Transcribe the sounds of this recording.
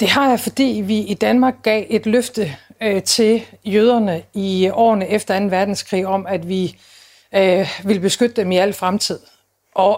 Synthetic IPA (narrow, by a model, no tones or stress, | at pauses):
d̥e̝ɦɑ̈jɑ̈ɪfɒ̽d̥ḭːʋiid̥ænmɑ̈ːɡ̥̚ːɛ̰ːʔe̝d̥løfd̥ət͡sʰe̝ljøːð̞ˠɐnəiɒ̰ːnəefd̥ɐæn̩ʋæɐd̥n̩skʰʁḭːɒ̽mæd̥ʋi | ʋelb̥e̝sɡ̥ød̥əd̥emiæl̰fʁamt͡sʰið̞̰ˠ | ʔɒ̽